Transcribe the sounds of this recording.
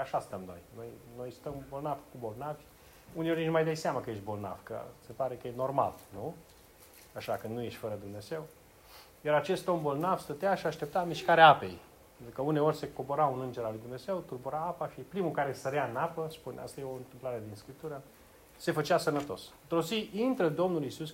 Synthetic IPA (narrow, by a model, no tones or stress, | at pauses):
aʃast̪əmno̞̰jno̞jno̞jst̪əmbo̞lnavkubo̞lnavʲ | uneo̞rʲnʲinmajd̪ajseamakəje̞ʃ̬t̪̚ʲbo̞lna̰v̥kə̰se̞paɾe̞kəjeno̞rma̰lnu | aʃakɨnnuje̞ʃt̪ʲfəɾəd̪umne̞ze̞w | jaɾat͡ʃe̞st̪ombo̞lnavst̪ət̪eaʃiaʃt̪e̞p̚t̪amiʃkaɾeaape̞̰jpent̪ɾukəune̞o̞rʲse̞koboɾaunɨnd͡ʒe̞ɾalujd̪umneze̞wt̪urbuɾaapaʃipɾimukaɾesəɾeaɨnapəspunea̰st̪ajeo̞ɨnt̪ɨmplaɾe̞d̪inskɾip̚t̪uɾə | se̞fət͡ʃasənət̪o̞st̪ɾoziʔint̪ɾəd̪o̞mnulisus